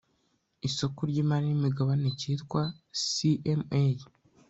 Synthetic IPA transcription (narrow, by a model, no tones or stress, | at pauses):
isokuɾɟiːmaɾiimiɡaβaneciːtkwasiʔeme